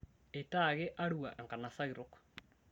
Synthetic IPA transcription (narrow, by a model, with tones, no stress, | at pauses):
e˨taɣe˦ʔa˦ɾua̰˨ʔe˨ŋka˨na˨sa˦ɣiɾok